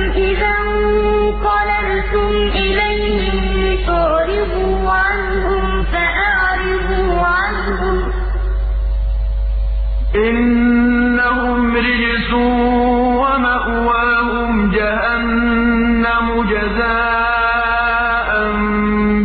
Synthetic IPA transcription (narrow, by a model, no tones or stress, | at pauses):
ɪðam | u | qɑlan | t̪ʊm | ʔɪlajhɪm | t̪ʊʕɾɪfuːʕan | hʊm | faʔaʕ | ɾɪfuː | ʕan | hʊm | ʔɪnː | ahʊm | ɾɪd͡ʒɪsuː | wamaʔwaːɦʊmd͡ʒahanː | amʊd͡ʒazaː | ʔan